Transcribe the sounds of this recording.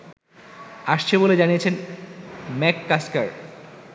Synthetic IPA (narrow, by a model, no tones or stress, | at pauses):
aʃt͡ɕʰeboled͡ʑanijet͡ɕʰen | mɛkːaskaɾ